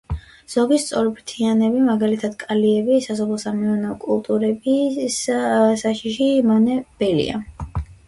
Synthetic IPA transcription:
z̥ɔɡist̪sʼɔɾɛbɾt̪ʰianɛbimaɡalit̪ʰad̪kʼaliɛbisasɔpʰlsamɛɔnaɔkʼulˠt̪ʼuɾɛbissaʃiʃimanɛb̥ɛlḭa̰

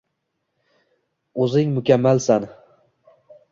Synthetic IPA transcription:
ɵzɪŋmʊkʲamːalsan

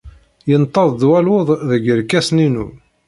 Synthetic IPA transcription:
jənt̪ˤːɑðˤd̪wælwʊðˤðəɡəɾkːæsninṵ

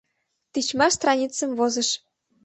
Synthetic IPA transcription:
t̪it͡ɕmɑst̪rɑnʲit͡sə̆mvozə̆ʃ

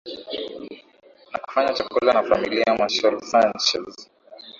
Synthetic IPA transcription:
naku̥faɲat͡ʃakulanafamiliamwaʃɔlsant͡ʃɛz

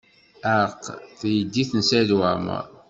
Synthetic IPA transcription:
æqːθjəd̪ːiθənsæðwæmə̰ɾ

